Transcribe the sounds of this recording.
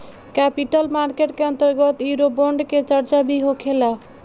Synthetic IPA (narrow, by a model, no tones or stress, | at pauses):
kapiʈəlmaɾkeʈkeʌnt̪əɾɡət̪uɾobɔɳɖket͡ʃəɾt͡ʃabʱiɦokʰela